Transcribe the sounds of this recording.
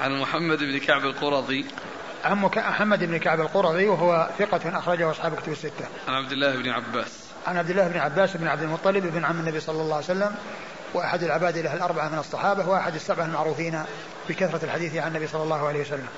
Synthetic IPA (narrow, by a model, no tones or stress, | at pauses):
ʕanmʊħamːad̪ɪbnkaʕbalqʊɾˤɑðˤi | ʕanmkamʊħamːad̪ʔɪbnɪkaʕbalqʊɾˤɑðˤiwɪɦʊwaθɪqɑt̪nʔɑxɾˤɑd͡ʒahʊʔɑsˤħɑːbkʊt̪abɪsːɪt̪ːaʕanʕab̚d̪ɪlːaːhɪbnɪʕa̰bːa̰ːs | ʕanʕabd̪ɪlːaːhɪbnɪʕabːaːsʔɪbnʕab̚d̪ɪlmʊt̪ˤːɑlɪbʔɪbnʕamːɪnːabisˤɑlːɑlˤːɑːajsalːam | wɪʔaħad̪alʕɪbaːd̪ilaɦalʔɑɾˤbaʕamɪnɨsˤːɑħɑːbahʊwʔaħad̪ɪsːabʕahlmaʕɾuːfiːn | b̥ɪkaθɾˤɑalħad̪iːθʕanːabisˤɑlːɑlːɑːhʕaejhwsalːam